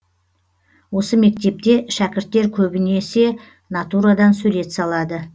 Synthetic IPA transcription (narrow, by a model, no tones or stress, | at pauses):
wo̞səme̞k̚t̪e̞p̚t̪e̞ʃækʲɪɾt̪ːe̞ɾkʲʰɵbɪne̞se̞ | nɑt̪uɾad̪ɑnsɵle̞t̪sɑlˠɑd̪ə